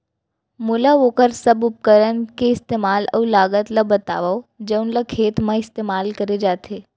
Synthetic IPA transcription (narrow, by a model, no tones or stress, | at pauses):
mʊlaʋoːkəɾsɐbʊp̚kəɾənkeɪst̪eːmaːlɔ̰ːlaːɡət̪lɐbɐt̪a̰ːʋaːod͡ʒəʊnlakʰeːt̪mãɪst̪eːmaːlkɐɾed͡ʒaːt̪ʰeː